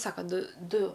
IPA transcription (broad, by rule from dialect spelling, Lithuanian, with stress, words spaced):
ˈsɑːkɐ ˈdʊ ˈdʊ